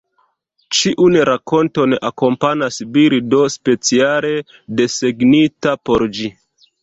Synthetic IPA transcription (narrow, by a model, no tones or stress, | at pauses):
t͡ʃiʔunɾako̞nto̞nako̞mpanasbiɾido̞spe̞t͡siale̞ | de̞se̞ɡnitapo̞ɾd͡ʒi